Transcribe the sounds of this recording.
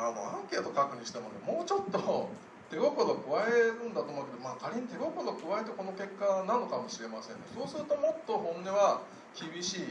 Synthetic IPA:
ano̰ãŋkʲe̞ːt̪o̞kakɯ̟ɲ̟iɕi̥t̪e̞mo̞nḛmo̞ːt͡ɕo̞t̪ːo̞ | t̪e̞ɡokod̪okɯ̟βaeɾɯ̟̃nd̪at̪oːmoɯ̟ke̞d̪omaːkʰaɾʲiɲit̪e̞ɡo̞kod̪okɯ̟βae̞t̪e̞ko̞no̞ke̞kːanano̞kamo̞ɕiɾe̞masẽ̞nːḛso̞ːsɨɾɯ̟t̪o̞mo̞t̪ːo̞ɦõ̞nːeβa | kʲibʲiɕiː

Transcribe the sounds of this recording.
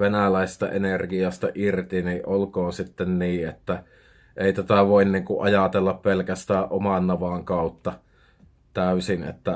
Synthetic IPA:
ʋenælæˑest̪ɑ̰ʔenerɡiɑst̪ɑ̰ʔirt̪iniʔʔolkoːnsit̪ːenniːʔet̪ːæ | ʔeˑit̪æt̪æʋoˑinniːŋkuʔʔɑjɑt̪elːɑppelkæst̪æːʔʔomɑnːɑʋɑˑŋkɑˑut̪ːɑ | t̪æˑysinḛt̪ːæ

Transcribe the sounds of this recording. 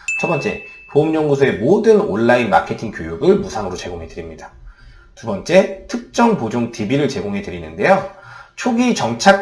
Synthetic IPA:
t͡ɕʰʌp͈ʌnt͡ɕ͈e̞̰poɯmɲʌŋɡusʰoe̞modɯno̰nːainma̰kʰe̞tʰiŋkjojuɡɯɭmusʰaŋɯɾot͡ɕe̞ɡoŋɦe̞dɯɾimɲida | tubʌnt͡ɕ͈e̞tʰɯk̚t͡ɕ͈ʌŋpod͡ʑoŋtibiɾɯɭt͡ɕe̞ɡoŋɦe̞dɯɾinɯnde̞jot͡ɕʰoɡit͡ɕʌŋt͡ɕʰa

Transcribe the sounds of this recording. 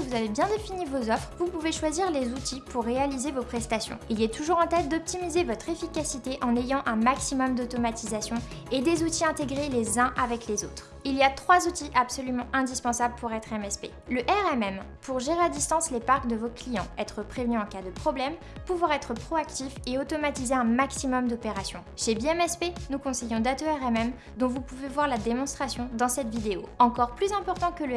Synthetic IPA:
kəvuzavebjɛ̃d̪efinivozɔfχvupuveʃwaziʁlezut̪ʰipuʁːealizevopχɛst̪asjɔ̰̃iljɛt̪uʒuʁɑ̃t̪ɛt̪̚d̪ɔp̚t̪imizevɔt̪χefikʲasit̪eʔɑ̃nejɑ̃ʔɛ̃maksimɔmd̪ot̪ɔmat̪izasjɔ̃ | ed̪ezut̪iɛ̃t̪eɡʁelezɛ̃ʔavɛklezo̰t̪χ | iliat̪χwazut̪iʔapsɔlymɑ̃ʔɛ̃d̪ispɑ̃sabləpuʁɛt̪χɛmɛspḛ | ləʔɛʁɛmɛmpuʁʒeʁead̪ist̪ɑ̃slepaʁkd̪əvoklijɑ̰̃ɛt̪χəpχevnyɑ̃kad̪əpχɔblɛm | puvwaʁɛt̪χəpχɔakt̪ifeot̪ɔmat̪izeɛ̃maksimɔmd̪ɔpeʁasjɔ̃ʃebiɛmɛspenukɔ̃sejɔ̃d̪at̪oɛʁɛmɛm | d̪ɔ̃vupuvevwaʁlad̪emɔ̃st̪χasjɔ̃d̪ɑ̃sɛt̪vid̪eoɑ̃kɔʁplyzɛ̃pɔʁt̪ɑ̃kələ

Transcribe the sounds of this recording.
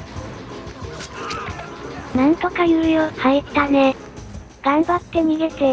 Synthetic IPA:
nãnt̪o̞kajɯːjohaet̪ane | ɡ̥ãmbat̪ːe̞ɲiɡe̞t̪e

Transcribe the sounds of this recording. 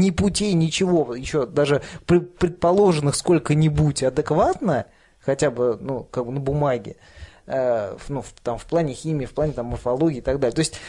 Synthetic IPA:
nʲɪpʊtʲijnʲɪt͡ɕɪvo̞jɪɕːo̞d̪aʐɨpɾʲɪpɾʲɪt̪̚pɐlˠo̞ʐɨnːɨxsko̞lʲkənʲɪbutʲɐd̪ɨkvat̪nə | xɐtʲabɨnukaɡ̚bɨnəbʊmaɡʲɪ̰ | ənuft̪amfplˠanʲɪxʲimʲɪːfplˠanʲɪt̪amːərfɐlˠo̞ɡʲɪiːɪt̪ɐɡd̪alʲɪət̪oɪsʲtʲ

